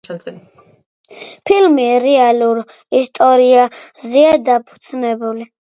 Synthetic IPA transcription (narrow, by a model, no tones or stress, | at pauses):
asʼɛ | pʰilmiɾɛaluɾ | ist̪ʼɔɾiazɛad̪apʰu̥d̪znɛbuli